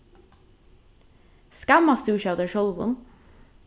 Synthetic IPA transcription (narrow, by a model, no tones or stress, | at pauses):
skæmɑst̪ʉːʃɑd̪əʃɔlʋʊ̰n